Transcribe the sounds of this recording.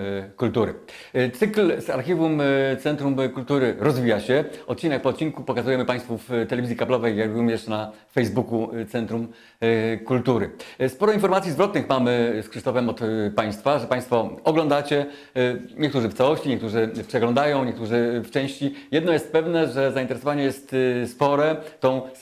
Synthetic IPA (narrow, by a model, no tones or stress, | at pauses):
kult̪uɾɘ̰ | t̪sɘklza̰ɾxʲivumt̪sɛnt̪ɾumkult̪uɾɘɾɔzvʲijaɕɛɔt̪̚t͡ɕinɛk̚pɔːt̪̚t͡ɕinkupɔkazujɛmɘpaj̃st̪fuft̪ɛlɛvʲizʲjikablɔvɛjːaɡɡumʲɛʂna | fɛjzbukut̪sɛnt̪ɾum | kult̪uɾɘ̰spɔɾɔinfɔɾmat̪sʲizvɾɔt̪nɨxmamɘskʂɘʂt̪ɔfɛmɔt̪paj̃st̪faʐɛpaj̃st̪fɔɔɡlɔ̃nd̪at͡ɕɛ | ɲɛkt̪uʐɘft̪sawɔɕt͡ɕiɲɛk̚t̪uʐɘpʂɛɡlɔ̃nd̪ajɔ̃w̃ɲɛkt̪uʐɘft͡ʂɛ̃w̃ɕt͡ɕijɛd̪nɔjɛst̪pɛvnɛʐɛzaint̪ɛɾɛsɔvaɲɛjɛst̪spɔɾɛt̪ɔ̃w̃